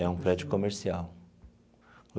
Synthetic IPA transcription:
ɛũpɾɛd͡ʒʊkomeɾsiaw | l

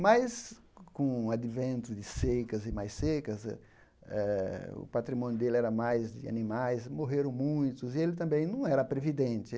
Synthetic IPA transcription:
majs | kõad̪ivẽnt̪ʊd̪ɪsekɐzɪmajsekɐz̰ | ɛʊ̰pat̪ɾimõnjʊd̪elɪɛɾɐmajzd̪ɪ̰a̰nimajsmoɦeɾɐ̃w̃mũj̃t̪ʊzɪelɪt̪ɐ̃mbẽj̃nɐ̃w̃ɛɾɐpɾevid̪ẽnt̪ɪ

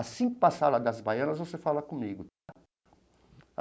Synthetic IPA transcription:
asĩpasalɐd̪ɐzbajɐ̃nɐzvosefalɐkõmiɡʊt̪a

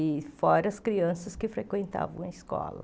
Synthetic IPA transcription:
ɪfɔɾɐɐskɾiɐ̃sɐskɪfɾekwẽnt̪a̰vɐ̰̃w̃ɐiskɔ̰lɐ̰

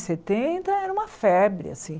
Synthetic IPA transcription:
set̪ẽt̪ɐɛɾɐ̃ũmɐfɛbɾɪ̰a̰sĩ

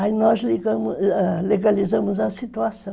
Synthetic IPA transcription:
ainɔzliɡɐ̃mʊleɡalizɐ̃mʊzɐsit̪uasɐ̃

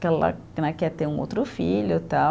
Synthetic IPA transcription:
kɛlɐ̰ | nɐkɛt̪eũo̰wt̪ɾʊfiʎʊt̪a

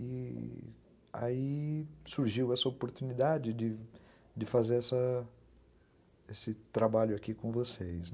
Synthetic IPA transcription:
ɪ | a̰isuɾʒiwɛsɐopoɾt̪unid̪ad͡ʒɪd͡ʒɪ | d͡ʒɪfazeɾɛsɐ | esɪt̪ɾabaʎʊakikõvosejs

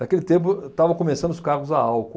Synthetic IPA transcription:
d̪akelɪt̪ẽmp̬ʊt̪avɐ̃kõmesɐ̃nd̪ʊskaɣʊzaawkʊ

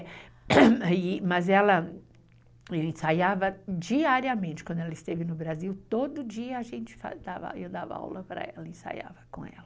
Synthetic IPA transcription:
imɐzɛlɐ | ɛwẽsajavɐd͡ʒiaɾiɐmẽt͡ʃɪkɐ̃d̪ʊɛlɐɪst̪evɪnʊbɾaziwt̪od̪ʊd͡ʒiɐːʒẽnt͡ʃɪ̥fa̰d̪avɐ̰ewd̪avɐ̰a̰wlɐpaɾɐ̰ɛlɐẽsa̰ja̰vɐkõ̰ɛ̰lɐ

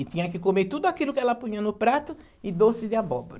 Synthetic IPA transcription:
ɪt̪ĩɲɐkɪkomeɾt̪ud̪ʊakilʊkɪɛlɐpũɲĩɐnʊpɾat̪ʊ | ɪd̪osɪd̪ɪabɔboɾɐ

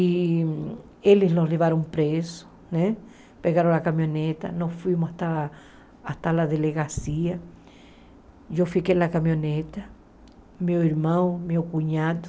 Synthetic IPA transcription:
i | elɪslosleβaɾõw̃pɾesʊ̥ | nɛ̃ | peɣaɾõw̃akamjonet̪ɐ̰nosfwimʊsat̪a | at̪alaðeleɣasiɐ | ʒofikejlakamjonet̪ɐ | mewiɾmɐ̃w̃mewkuɲad̪ʊ

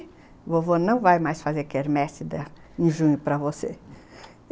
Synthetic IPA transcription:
vovonɐ̃w̃vajmajsfazeɾkeɾmɛsɪd̪ɐ | ẽj̃ʒũɲʊpɾɐvose

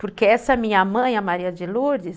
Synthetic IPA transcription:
poɾkeɛsɐɛmĩɲɐmɐ̃j̃ɐmaɾiɐd͡ʒɪluɾd͡ʒɪs

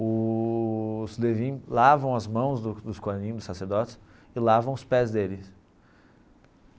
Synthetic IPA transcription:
ʊ | slevĩlavɐ̃w̃ɐzmɐ̃w̃zd̪ʊd̪ʊskoanĩd̪ʊsaseɾd̪ɔt͡ʃɪ̥s | ɪlavɐ̃w̃ʊspɛzd̪elɪs

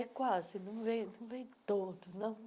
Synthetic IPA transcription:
ɛkwazɪnɐ̃w̃vẽj̃nɐ̃w̃vẽj̃t̪od̪ʊnɐ̃w̃

